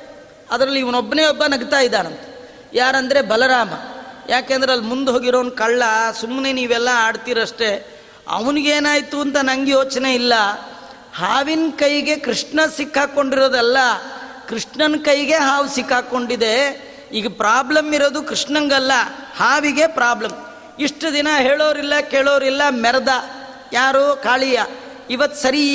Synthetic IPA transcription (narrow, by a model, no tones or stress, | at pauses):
ɐd̪ɾɐlːiːʋɐnobːɐneːɔbːɐnɐɡt̪aːjid̪ːaːnɐnt̪ɐ̥ | jaːɾɐnd̪ɐɾe̞bɐlɐɾaːmɐ̰jʔaːkeːnd̪ɾeɐlːimund̪uɦo̞ːɡiɾoːɐnkɐɭːɐsumːneniːʋɛlːɐaːɽt̪iːɾɐʂʈe̞ | ɐ̰ʋɐniɡeːnaːjt̪uɐnt̪ɐnɐŋɡjoːt͡ʃne̞ilːɐ | haːʋinkɐjɡe̞kɾiʂɳɐsikːaːko̞ɳɖiɾoːd̪ɛlːɐ | kɾiʂɳɐnkɐjɡe̞ɦaːʋusikːaːko̞ɳɖid̪e̞ | iːɡɐpɾaːblɐmiɾoːd̪ukɾiʂɳɐŋɡɐlːɐhaːʋiɡe̞pɾaːblɐm | iʂʈɐd̪inɐɦeːɭoːʋɾilːɐkeːɭoːɾilːɐmɛɾɐd̪ɐ | jaːɾoːkaːɭijɐ | iʋɐt̪ːu̥sɐɾi